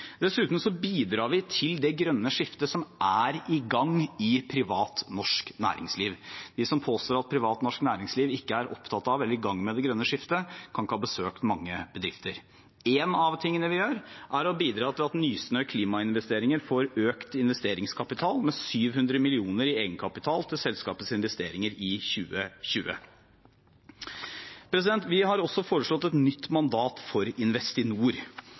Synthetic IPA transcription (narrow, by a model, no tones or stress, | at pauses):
d̪̥ɛsʉːt̪n̩sɔbiːd̪ɾɑːɾʋɪt̪ʰɪld̪ɛɡɾœnːəʂɪft̪əsɔmʔæɾɪɡɑŋɪpʰɾɪʋɑːt̪nɔʂknæ̰ːɾɪ̰ŋsliːʋdd̪ɪsɔmpʰoːst̪oːɾɑt̪̚pʰɾɪʋɑːt̪nɔʂknæːɾɪŋsliːʋɪkːəæɾʔɔ̰pt̪ʰɑt̪ːɑʋɛlːəɾɪɡɑŋːmɛd̪ɛɡɾœnːəʂɪft̪əkʰɑnkʰɑbəsøːkt̪mɑŋːəbəd̪ɾɪft̪əɾ | eːnɑʋt̪ʰɪŋːənəʋɪjøːɾʔæɾɔbiːd̪ɾɑːt̪ɪlɑt̪nyːsnœʏkʰliːmɑɪnʋɛst̪eːɾɪŋəɾfoːɾøːkt̪ɪnʋɛst̪eːɾɪŋskʰɑpɪt̪ʰɑːlmɛsyːʋhʉnd̪ɾəmɪlɪuːnəɾɪeːɡənkʰɑpɪt̪ʰɑːlt̪ʰɪlsɛlskɑ̰ːpət̪sɪnʋɛst̪eːɾɪŋəɾɪçʉːəɕʉːə̰ | pʰɾɛs̬ɪd̪ɛnt̪ʋɪhɑɾɔsːɔfoːɾəʂɭɔt̪ːɛt̪nʏt̪ːmɑnd̪ɑːt̪fɔɾɪnʋɛst̪ɪnuːɾ